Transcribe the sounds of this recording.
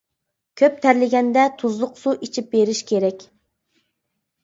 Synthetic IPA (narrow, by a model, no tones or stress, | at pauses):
kʲʰøp̚t̪ʰæɾlɪɡʲɛnd̪ɛt̪ʰuzlˠʊqsuʔit͡ʃʰip̚beɾɪʃkʲʰeɾɛkʲ